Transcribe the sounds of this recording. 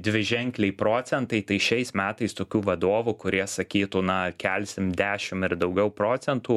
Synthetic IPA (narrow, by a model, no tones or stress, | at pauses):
d̪ʲʋʲɪʒʲɛŋʲklʲɛɪpɾoːt͡s̪ʲɛnt̪ɐɪt̪ɐɪʃʲɛɪsmʲæːt̪ɐɪst̪oːkʲuːʋɐd̪oːʋukʊɾʲiɛsɐkʲiːt̪uːnɐkʲɛlʲsʲɪmd̪ʲæːʃʲɪmɪɾd̪ɐʊɡʲɛʊpɾoːt͡s̪ʲɛnt̪uː